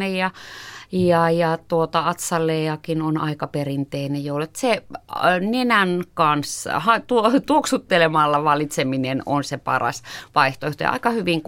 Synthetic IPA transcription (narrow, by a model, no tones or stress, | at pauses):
ejjɑ | jɑjɑt̪uot̪ɑɑt̪sɑlːˑeːɑkinonɑ̰ikɑperint̪einejoulet̪se | nenænkɑnshɑt̪uot̪uoksut̪ːelemɑlːɑʋɑlːˑit̪semineno̰nsepɑ̰rɑ̰sʋɑiht̪oeht̪ojɑ̰ɑ̰ikɑhyʋiŋk